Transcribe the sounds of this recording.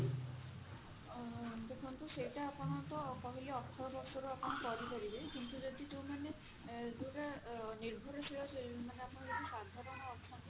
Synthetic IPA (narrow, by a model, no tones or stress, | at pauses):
d̪okʰɔnt̪usejtaːpɔnat̪ɔpɔɦiliɔkʰːɔɹbɔɾsɔɾuapɔntɔɾikɔɾibekint̪uzɔd̪it̪uwmane | dutaniɹbʱɔɾɔsijɔsemaneapunɔzetisad̪ʱaɾɔnɔːkʰːant̪